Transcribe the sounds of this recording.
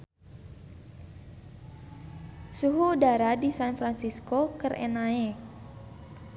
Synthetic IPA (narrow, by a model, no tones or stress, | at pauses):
suɦuːdaɾadisanfɾansiskokərʔḛnae